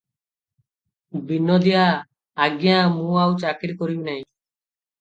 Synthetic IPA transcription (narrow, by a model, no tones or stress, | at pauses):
binːɔd̪ijaː | ɡjãmũawt͡ʃakiɾkɔɾimnaj̃